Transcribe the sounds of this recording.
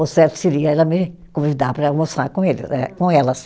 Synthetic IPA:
ʊsɛɾt̪ʊ̥seɾiɐɛlɐmɪ | kõivid̪apɾɐmost̪ɾaɾkõelɪ̰sɛ̰kõɛlɐs

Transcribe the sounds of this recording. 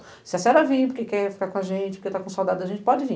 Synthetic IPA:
sɪɐsɛɾɐvĩpʊɾkekɛfi̥kakõaʒẽt͡ʃɪpʊɾket̪akõsawd̪ad̪ʊɐʒẽnt͡ʃɪpɔd͡ʒɪvĩ

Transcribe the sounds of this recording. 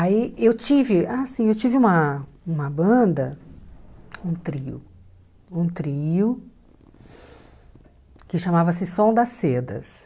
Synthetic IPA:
aiewt͡ʃivɪaːsĩewt͡ʃivɪũmɐũmɐbɐ̃d̪ɐ | ũt̪ɾiʊ̰ | ũt̪ɾiʊ | kɪʃamavɐsɪsõd̪ɐsed̪ɐ̰s

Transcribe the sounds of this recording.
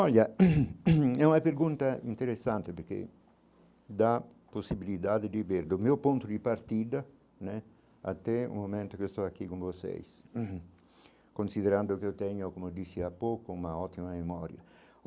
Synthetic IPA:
ɔlːa | ɛunapeɾɡunt̪aḭnt̪eɾesːant̪epeɾk̟ḛ | d̪a | posːibilid̪aːd̪ed̪iveɾd̪omiopunt̪ʊd̪ipaɾt̪id̪a | nɛ | a̰t̪ːɛṵmːomɛnt̪okost̪ɔakːikũɱvosḛjs | konsid̪eɾand̪okot̪ɛɲːokomod̪isːiapːokoumaɔt̪ːimamemɔːɾja̰

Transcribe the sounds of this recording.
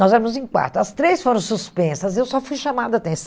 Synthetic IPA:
ɔzɛɾɐmʊzẽj̃kwa̰t̪ɾʊɐst̪ɾesfoɾɐ̃w̃suspẽsɐzewsɔfujʃɐmad̪ʊɐat̪ẽs

